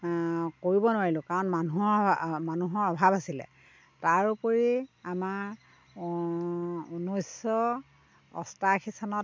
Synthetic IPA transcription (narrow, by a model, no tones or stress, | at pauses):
koɹibɔnʊwaɹilʊkaɹɔnmanuɦɔmanuɦɔɔbʱabasilɛ̰ | taɹupoɹiama | unojsɔ | ɔ̰stakʰisanɔt